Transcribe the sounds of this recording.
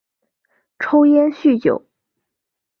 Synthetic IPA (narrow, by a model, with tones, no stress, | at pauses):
ʈ͡ʂʰo˥ʊjɛ˥nɕy˥˩t͡ɕjo̰˨˩˦ʊ